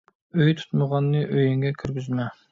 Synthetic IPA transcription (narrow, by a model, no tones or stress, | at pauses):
øjt̪ʰu̥t̪məʁɑnːɨʔøjɪŋɡʲɛkʲʰyɾɡʲyzmɛ